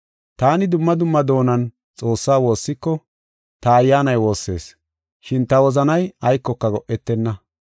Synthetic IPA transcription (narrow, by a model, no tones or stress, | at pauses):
t̪aːnɪd̪ʊmːɐd̪ʊmːɐd̪o̞ːnɐn | t͡sʼo̞ːsːaːwo̞ːsːɪkːɔ | t̪ɐːjːaːnɐjwo̞ːsːe̞̰ːs | ʃɪnt̪ɐwɔzɐnɐjɐjkːɔkːɐɡɔʔːɛt̪ːɛnːɐ